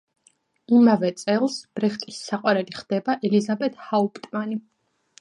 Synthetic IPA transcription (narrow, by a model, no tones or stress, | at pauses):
imavɛt̪sʼɛlˠsb̥ɾɛχt̪ʼisːaqʼwaɾɛliχd̪̥ɛbaʔɛlizabɛt̪ʰhaupʼt̪ʼmani